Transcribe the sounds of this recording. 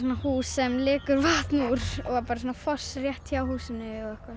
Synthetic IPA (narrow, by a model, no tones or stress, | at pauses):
sunahuːsɛmlɪːkʏɾvaːt̪muɾ̥ɔɣapaːɾas̬oːnafɔ̥srjɛht̪awhuːsɪnːɪɔɣɛhkva